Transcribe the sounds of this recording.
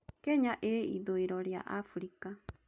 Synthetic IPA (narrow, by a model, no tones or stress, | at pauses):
kɛɲaʔeḭðoiɾɔɾja̰ʔafuɾika